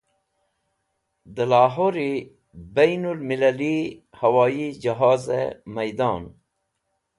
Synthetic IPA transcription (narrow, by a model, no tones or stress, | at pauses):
d̪əlaːɦoːɾi | bajnulmilalihawaːid͡ʒaɦɑːzḛmajd̪ɑːn